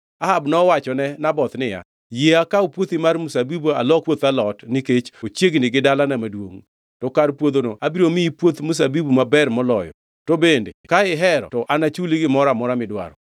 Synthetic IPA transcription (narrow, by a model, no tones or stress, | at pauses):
aɦabnɔwat͡ʃɔnɛnabɔt̪nɪja̰ | jeakaupwot̪imarmusabibua̰lɔkwot̪alɔtnɪket͡ʃot͡ʃjeɡnɪɡɪdalanamadwo̰ŋ | tɔkarpwod̪onoʔabiɾomiipwot̪mus̬abibumabɛrmɔlɔjɔ̰ | tobendekaɪɦɛɾɔ̰tɔʔanat͡ʃuliɡɪmɔɾamɔɾamɪdwa̰ɾɔ̰